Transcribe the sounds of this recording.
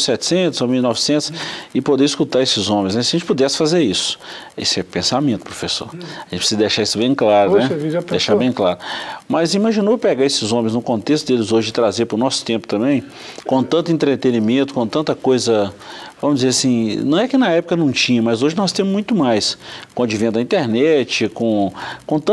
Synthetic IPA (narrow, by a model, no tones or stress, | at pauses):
sɛt͡ʃɪ̥sẽt̪ʊzomiwnɔvɪsẽnt̪ʊ̥sɪpod̪eɾiskut̪aɾesɪzõmẽj̃znɛsjɐʒẽnt͡ʃpud̪ɛsɪ̥fazeɾisʊ̥ | ḛsɛpẽsamẽnt̪ʊpɾofeso̰ɾɐʒẽt͡ʃpɾ̥sizɐd̪eʃaisʊbẽj̃klaɾʊnɛɛviʒaeʃabẽj̃klaɾʊmɐzimaʒinopeɡaesɪzõmẽj̃znʊkõnt̪es̬t̪ʊd̪elɪzoʒɪd͡ʒɪt̪ɾazeɾpɾʊnɔsʊ̥t̪ẽmpʊ̥t̪ɐ̃mbẽj̃ | kõt̪ɐ̃nt̪ʊẽnt̪ɾet̪ẽnimẽnt̪ʊ̥kõt̪ɐ̃nt̪ɐkojzɐvɐ̃mʊzd͡ʒɪzeɾasĩnɐ̃w̃ɛkɪnɐɛpʊkɐnɐ̃w̃t͡ʃĩɲɐmɐzoʒɪnɔst̪ẽmʊzmũj̃t̪ʊmajskõɐd͡ʒivẽnd̪ɐĩnt̪eɾnɛt͡ʃɪkõkõt̪ɐ̃